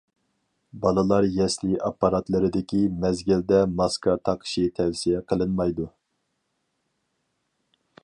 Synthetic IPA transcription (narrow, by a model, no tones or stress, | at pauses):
bɑlˠɨlˠɑɾjɛsliʔɑpːɑɾɑt̪lˠɨɾɨd̪ɪkʲʰimɛzɡʲɪld̪ɛmɑskʰɑt̪ʰɑqʰə̥ʃit̪ʰɛwsijɛqʰəlˠɨnmɑjd̪u